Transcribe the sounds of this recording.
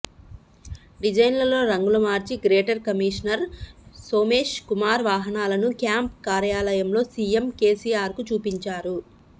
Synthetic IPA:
ɖid͡ʒɐjnlɐlo̞ːɾɐŋɡulɐmaːɾt͡ʃiɡɾeːʈɐɾkɐmiːʂɐnɐɾsoːme̞ːʂkumaːɾʋaːɦɐnaːlɐnukjaːmpkaːɾjaːlɐjɐmlo̞ːsiːemke̞ːsiːaːɾkut͡ʃuːpiɲt͡ʃaːɾu

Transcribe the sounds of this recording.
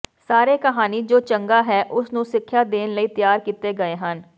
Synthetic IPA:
saːɾekɐɦaːnid͡ʒoːt͡ʃɐ̃ŋɡaɦɛʔʊsnũsɪkʰːjad̪eːnləit̪jaːɾkiːt̪eɡɐeɦɐn

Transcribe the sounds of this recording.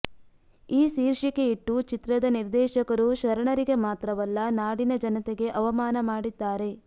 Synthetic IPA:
iːsiːɾʂike̞iʈːut͡ʃit̪ɾɐd̪ɐniɾd̪ɛːʃɐkɐɾuʃɐɾɐɳɐɾiɡe̞maːt̪ɾɐʋɐlːɐnaːɽinɐd͡ʒɐnɐt̪eɡe̞ʔɐʋɐmaːnɐmaːɽid̪ːaːɾe̞

